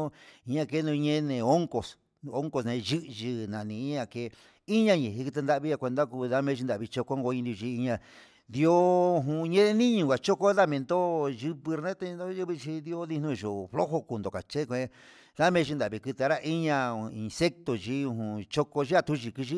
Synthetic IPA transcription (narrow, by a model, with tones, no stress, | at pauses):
o˦i˧ɲã˧ke˦nũ˧ɲẽ˦nẽ˧˨o˦ŋko˨s | o˦ŋko˧snẽ˧ʒɨ˦ʔʒi˧nã˨nĩ˧˦ɲã˧ke˧ | i˦ɲã˧ɲẽ˨ɦi˧ki˧t̪e˧nd̪a˦˧βi˧˦a˧kʷe˧nd̪a˦˧ku˧ða˦mẽ˧ʒi˧d̪a˨βi˧t͡ʃo˧ko˦ŋɡo˧ĩ˧nd̪u˧ʒi˧˦i˧ɲã˧ | d̪i˧˦o˦˧ɦũ˧ɲẽ˦e˦nĩ˦ɲũ˧˨ɡa˨t͡ʃo˦ko˦ða˦mẽ˧nd̪o˦ʒɨ˧βɨ˧ɾnẽ˦t̪e˧o˦ʒɨ˦βi˧t͡ʃi˧d̪i˦o˦ði˧nũ˧i˨ʒo˨flo˦ho˧ku˧nd̪o˨ka˨t͡ʃe˦˧kʷe˧ | ða˦mẽ˧ʒi˧nd̪a˨βi˧kɨ˧t̪e˧ɾa˦ʔi˦ɲã˧i˧nse˦k̚t̪o˨t͡ʃi˧˦u˧ɦũ˧˨t͡ʃo˦ko˧ʒi˦a˧t̪u˦ʒi˧ki˧ʒi˦